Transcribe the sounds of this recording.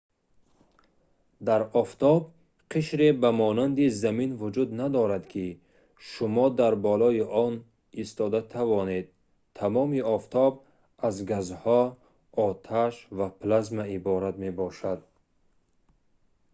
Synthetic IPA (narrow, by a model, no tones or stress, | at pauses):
d̪aɾɔft̪ʰɔb̚ | qʰiʃɾebamɔnand̪izaminvud͡ʒud̪nad̪ɔɾad̪kʰi | ʃumɔd̪aɾbɔlɔiʔɔn | ist̪ɔd̪at̪ʰavɔne̞d̪̚ | t̪ʰːamɔmiɔft̪ʰɔb̚ | azɡazhɔ | ɔt̪ʰaʃvapʰlazmaibɔɾat̪me̞bɔʃad̪̚